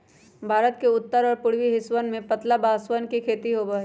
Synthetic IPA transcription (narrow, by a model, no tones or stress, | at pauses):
bʱaːɾət̪̚keʊt̪ːəɾɔːɾpʊɽwiɦɪswənmẽpɐt̪labaːswənkikʰeːt̪iɦoːbəɦe